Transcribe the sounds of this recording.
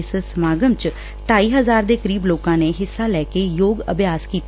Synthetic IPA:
ssəmaːɡəmt͡ʃ | ʈaːiːɦəzaːɾd̪eːkəɾiːbloːkãːneːɦɪsːaːlɛːkeːjoːɡə̰bʱjaːskiːt̪

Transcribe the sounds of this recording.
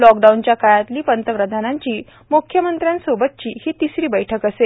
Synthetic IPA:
lɔkɖaunt͡ɕjakajat̪liːpənt̪əpɾəd̪ʱanãɲt͡ɕiː | mukʰjəmənt̪ɾjãnsobət̪̚t͡ɕiːhiːt̪isɾiːbəjʈʰəkəse

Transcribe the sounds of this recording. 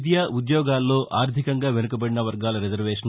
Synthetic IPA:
d̪jaːʔud̪jɔːɡaːlːo̞ːʔʔaːɾd̪ʱikɐŋɡaːʋenukɐbɐɽinɐʋɐɾɡaːlɐɾid͡ʒɐɾʋeːʂɐn

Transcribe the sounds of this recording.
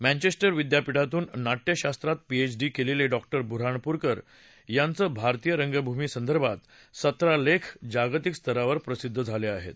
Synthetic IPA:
mæ̃ɲt͡ɕesʈəɾʋid̪japiɽat̪uːnːaʈjəɕast̪ɾat̪̚piet͡ɕɖiːkeleleɖɔk̚ʈəɾbʱuɾaɳpuɾkəɾ | jant͡səːbʱaɾt̪ijəɾəŋɡəbʱumisənd̪əɾbʱat̪ | sət̪ɾalekʰd͡ʑaɡt̪ikst̪ʰəɾaʋəɾpɾəsid̪ʱːəd͡zʱaleaɦḛt̪̚

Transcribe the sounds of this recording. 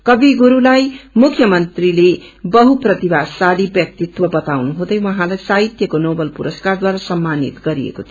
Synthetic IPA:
kʌbiɡuɾulajmukʰːjʌmʌnt̪rile | bʌɦuprʌt̪ibasalibjʌk̚t̪it̪wʌbʌt̪awnuɦũd̪ʌjwʌɦãlajsaɦit̪jʌkonobʌlpuɾʌskard̪waɾasʌmːanḭt̪ɡʌɾiḛkot̪ʰ

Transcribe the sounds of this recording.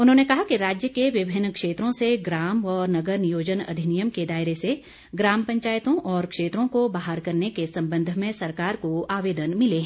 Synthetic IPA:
ʊnɦõnekɐɦakiɾaːd͡ʒjəkeʋɪbʱɪnːkʃeːt̪ɾõseɡɾaːmɔːɾnɐɡəɾnjoːd͡ʒənɐ̰d̪ʱɪnijəmked̪aːɪɾese | ɡɾaːmpɐ̃ɲt͡ʃaːjt̪õʔɔːɾkʃeːt̪ɾõkobaːɦaɾkɐɾnekesɐ̃mbə̃nd̪ʱmẽsɐɾkaːɾkoaːʋeːd̪ənmɪleɦɛ̃

